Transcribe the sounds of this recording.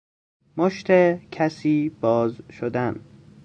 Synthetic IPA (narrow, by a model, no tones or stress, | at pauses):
moʃt̪ʰecʰæsiːbɒːzʃod̪æn